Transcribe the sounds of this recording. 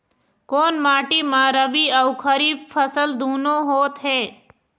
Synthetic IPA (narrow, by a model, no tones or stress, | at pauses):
koːnmaːʈimãːɾəbiəʊkʰəɾiːfpʰːəsəld̪uːnõɦoːt̪ɦeː